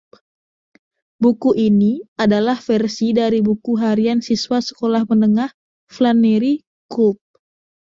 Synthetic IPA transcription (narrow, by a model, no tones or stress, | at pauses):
bukuʔiniadalahfɛrsidaɾibukuɦaɾiansiswasə̥kolahmənəŋah | flaneɾi | kup̚